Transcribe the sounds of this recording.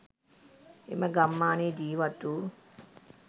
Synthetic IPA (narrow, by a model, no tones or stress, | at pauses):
ḛməɡamːaːneːd̪iːʋat̪u